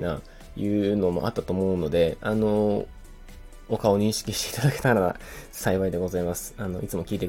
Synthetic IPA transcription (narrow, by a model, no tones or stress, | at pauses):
na̰ | jɯ̟ːno̞mo̞̰a̰t̪ːat̪o̞ːmo̞ɯ̟no̞d̪e̞ano̞ | okao̞ɲ̟ĩɰ̃ɕi̥kʲiɕt̪e̞i̥t̪ad̪ake̞̥t̪aɾaa̰saiβaid̪e̞ɡo̞zaimasɨ̥ano̞it͡sɨmo̞kʲiːt̪e